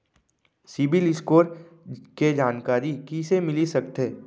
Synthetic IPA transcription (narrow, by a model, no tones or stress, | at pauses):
sɪbɪlɪskoːɾ | ked͡ʒaːnkaːɾikisemɪlisɐkt̪eː